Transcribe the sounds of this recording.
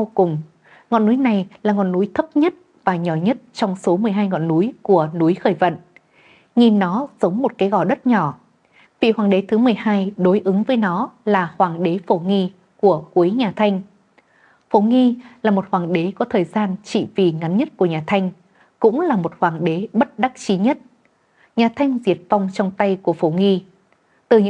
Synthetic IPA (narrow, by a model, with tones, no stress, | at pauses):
wkʊ˨˩ŋ͡m | ŋɔ̰˧˨nːu˨˦jna˨˩jlaː˨˩ŋɔ̰˧˨nːu˨˦jt̪ʰə˦˥p̚ɲə˦˥t̚ | vaː˨˩ɲɔ˧˩ɲə˦˥t̚t͡ɕɔ˧wŋ͡mso˨˦mɨ˨˩əjɦaː˧jŋɔ̰˧˨nːu˨˦jku˧˩ənu˨˦jxəː˧˩jvə̰˧˨n | ɲi˨˩nːɔ˨˦zə˨˦wŋ͡mmo˨˩t̚kaː˨˦jɣɔ˧˩ɗə˦˥t̚ɲɔ˧˩ | vḭ˧˨hwaː˨˩ŋɗe˨˦t̪ʰɨ˨˦mɨ˨˩əjɦaː˧jɗo˨˦jʔɨ˨˦ŋvəː˨˦jnɔ˨˦laː˨˩hwaː˨˩ŋɗe˨˦fo˧˩ŋi˧ | ku˧˩əku˨˦jɲaː˨˩t̪ʰa˧jŋ̟ | fo˧˩˦ŋi˧laː˨˩mo˨˩t̚hwaː˨˩ŋɗe˨˦kɔ˨˦t̪ʰəː˨˩jzaː˧nt͡ɕḭ˧˨vi˨˩ŋa˨˦nɲə˦˥t̚ku˧˩əɲaː˨˩t̪ʰa˧jŋ̟ | kʊ̰˧˥ŋ͡mlaː˨˩mo˨˩t̚hwaː˨˩ŋɗe˨˦ɓə˦˥t̚ɗa˦˥k̚t͡ɕi˨˦ɲə˦˥t̚ | ɲaː˨˩t̪ʰa˧jŋ̟zi˨˩ət̚fa˧wŋ͡mt͡ɕɔ˧wŋ͡mt̪a˧jku˧˩əfo˧˩ŋi˧ | t̪ɨ˨˩ɲɨ̰˧˥